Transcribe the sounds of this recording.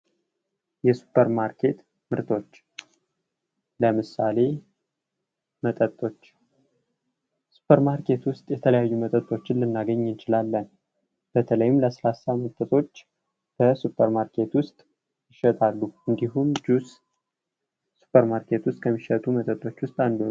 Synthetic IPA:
jɛsu̥pʰːəɾmaɾkʰet̪ | mɨɾt̪ʰo̞t͡ʃː | ləmɨsale̞ | mət̪ʼət̪ʼːo̞t͡ʃː | su̥pʰəɾmaɾkʰe̞t̪wʊst̪ʼjɛt̪ʰələjajːumət̪ʼət̪ʼːo̞t͡ʃːɪnlɨnːaɡəɲːɨnt͡ʃɪlalːən | b̥ət̪ʰələjɪmləsəlasamɨt̪ʼət̪ʼo̞t͡ʃː | b̥əsupʰːəɾmaɾkʰe̞t̪wʊst̪ʼ | jɪʃət̪ʼʰalːuɨnd̪iɦumd͡ʒus | su̥pʰːəɾmaɾkʰe̞t̪wʊst̪̚ʼkʰəmːiʃət̪ʼumət̪ʼət̪ʼːo̞t͡ʃːwʊst̪ʼand̪o

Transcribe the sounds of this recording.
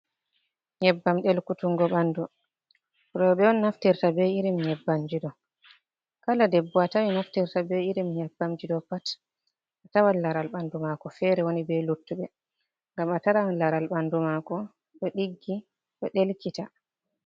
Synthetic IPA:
ɲɛbːamɗɛlkutuŋɡɔɓandu | ɾɔɓɛɔnːaftiɾtabɛiɾimɲɛbːamd͡ʒiɗɔ | kaladɛbːɔatawinaftiɾtabɛiɾimɲɛbːamd͡ʒiɗɔpat | ʔatawanlaɾalɓandumakɔfɛɾɛwonibɛlutːuɓɛ | ŋɡamataɾalaɾalɓandumakɔ | ɗɔɗiɡːi | ɗɔɗelkita

